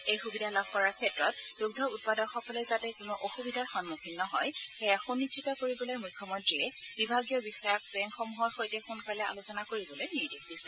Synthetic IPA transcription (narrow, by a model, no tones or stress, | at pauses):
ejxubidʱalab̚kɔɹaɹkʰɛtɹɔt̚duɡ̚dʱɔut̚padɔxɔkɔlɛzatɛkunɔʔoxubidʱaɹxɔnmɔkʰinːɔɦɔjxɛjaxunːitsʰitɔkoɹibɔlojmujkʰːɔmɔntɹiɛbibʱaɡijɔbixɔjak̚bɛŋxɔmuɦɔɹxojtɛxunkalɛa̰losɔnakoɹibɔlojniɹdekdisɛ